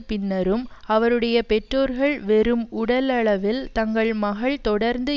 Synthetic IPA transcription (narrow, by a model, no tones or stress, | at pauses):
pɪnːɐɾɯmɐʋɐɾɯɽɐjɐpɛʈroːɾɣɐɭʋɛɾɯmʊɽɐlɐɭɐʋɪlt̪ɐŋɡɐɭmɐɣɐɭt̪ɔɽɐɾnd̪ɯ